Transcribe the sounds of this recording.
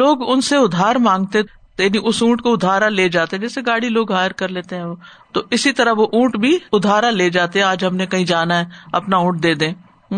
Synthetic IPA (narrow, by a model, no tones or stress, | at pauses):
loːɡʊnseʊd̪ʱːaːɾmãːŋɡ̚t̪e | t̪jaːniʔʊsũːʈkoʊd̪ʱːaːɾaleːd͡ʒaːt̪eɦɛ̃d͡ʒɛːseɡaːɽiloːɡɦaːəɾkɐɾleːt̪eɦɛ̃oːt̪oʔɪsit̪ɐɾəɦʋoʔũːʈbʱiʊd̪ʱaːɾaleːd͡ʒaːt̪eɦɛ̃aːd͡ʒɦɐmnekɐɦĩd͡ʒaːnaɦɛɐpnaũːʈ̚d̪eːd̪ẽː